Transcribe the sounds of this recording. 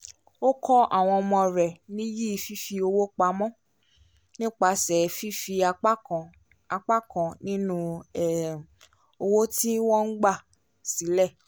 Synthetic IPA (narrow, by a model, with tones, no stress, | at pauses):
o˦kʰɔ˦ʔa˨w̃ɔ̃˧ɔ˧mɔ̃˧ɾɛ˨nĩ˦ji˦i˨fi˦fi˧o˧wo˦k͡pa˧mɔ̃˦ | nĩ˦k͡pa˧sɛ˨fi˦fĩ˧˦˨ | a˧k͡pa˦kɔ̃˨nĩ˦nũ˦˨ | o˧wo˦tĩ˦wɔ̃˦ŋ̩˦ɡ͡ba˦˨ | si˨˦lɛ˦˨